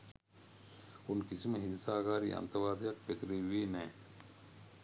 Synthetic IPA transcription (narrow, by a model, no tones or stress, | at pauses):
unkisiməɦinsaːkaːɾiːʔɐ̰nt̪ɐɾʋaːd̪ʱijɐk̚pet̪ɾeʋeːnɛː